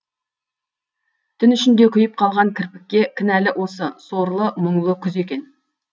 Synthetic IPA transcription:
t̪ʰʏnʏʃɪnd̪e̞kʲʰʏjɪp̚qʰɑlˠʁɑŋkʲʰɪɾpɪk̚ʲːe̞kʲʰɪnælɪʔwʔo̞səsoɾlˠəməɴlˠəkʲʰʏze̞kʲe̞n

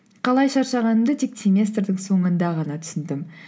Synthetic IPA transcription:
qʰɑlˠɑjʃɑɾʃɑʁɑnəmd̪ət̪ʰek̚sʲemʲe̞st̪rd̪əŋso̞ɴənd̪ɑʁɑnɑt̪ʰʏ̥sɪnd̪ɪm

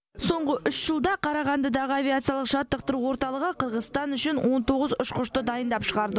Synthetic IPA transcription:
so̞ɴʁəʔʏʃʒ̥əlˠd̪ɑqʰɑɾɑʁɑnd̪əd̪ɑʁəavʲijat̪sijalˠəqʒ̥ɑt̪ːəq̚t̪əɾuwo̞ɾt̪ɑlˠəʁəqʰəɾʁəzst̪ɑnʏʃɪnwʔo̞nt̪ʰo̞ʁəzʊʃqʰʊʃt̪əd̪ɑjənd̪ɑpʃəʁɑɾd̪ə

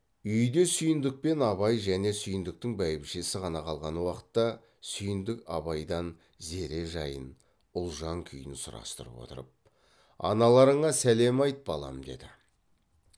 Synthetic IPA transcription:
ʏjd̪e̞sʏjɪnd̪ɪk̚pe̞nɑβɑjʒæne̞sʏjɪnd̪ɪk̚t̪ɪŋbæjɪpʃesɪqɑnɑqʰɑlˠʁɑnwɑqə̥t̪ːɑ | sʏjɪnd̪ɪkɑ̰βɑjd̪ɑn | ze̞ɾe̞ʒɑ̰jən | ʊlˠʒɑŋkʲʰʏjɪnɪsʊɾɑ̰st̪ə̰ɾə̰pwo̞̰t̪ə̰ɾəp̚ | ɑ̰nɑlˠɑɾəɴɑsæle̞mɑjt̪bɑlˠɑ̰md̪e̞̰d̪ɪ

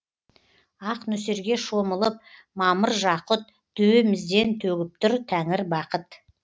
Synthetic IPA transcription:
ɑqnɵseɾɡʲe̞ʃoməlˠəp̚ | mɑməɾʒɑqʊt̪̚ | d̪̥ɵwemɪzd̪e̞nt̪ʰɵɡʲɪp̚t̪ʊɾt̪ʰæŋɪɾbɑqət̪

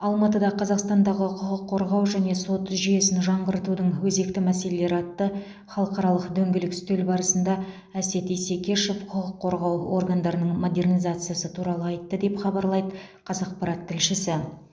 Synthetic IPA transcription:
ɑlˠmɑt̪əd̪ɑqʰɑzɑqst̪ɑnd̪ɑʁəqʰʊqəqʰːo̞ɾʁɑwʒæne̞so̞t̪ʒije̞sɪnʒɑɴʁəɾət̪ud̪əɴwɵze̞kt̪ɪmæse̞le̞le̞ɾɑt̪ːə | χɑlˠəqɑɾɑlˠəqd̪ɵŋɡʲɪlɪkst̪elbɑɾəsənd̪ɑ | æse̞t̪ijse̞kʲe̞ʃofqʰʊqəqʰːo̞ɾʁɑwo̞̰rɡand̪ɑɾənəɴmo̞d̪e̞rnijzat̪sɨjasət̪ʰuɾɑlˠəɑjt̪ːəd̪e̞pχɑbɑɾlˠɑjd̪ə | qʰɑzɑq̚pɑɾɑt̪ʰːɪlʃɪsɪ

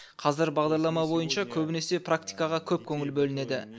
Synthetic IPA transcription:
qʰɑzɪɾbɑʁd̪ɑɾlˠɑmɑbo̞jənʃɑkʲʰɵbɪne̞se̞pʰrakt̪ijkɑʁɑkʲʰɵp̚kʲʰɵŋɪlbɵlɪne̞d̪ɪ

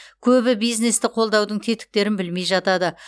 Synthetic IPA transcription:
kʲʰɵbɪbijzne̞st̪ɪqʰo̞lˠd̪ɑwd̪əɴt̪ʰe̞t̪ɪ̥k̚t̪e̞ɾɪnbɪlme̞jʒɑt̪ɑd̪ə

